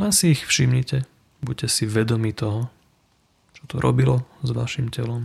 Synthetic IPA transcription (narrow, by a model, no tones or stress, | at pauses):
asiːxfʃimɲicɛ | buɟ̚cɛsiʋɛd̪ɔmit̪ɔɦɔ | t͡ʃɔ̥t̪ɔɾʔɔ̰bilɔzʋaʃimcɛlɔm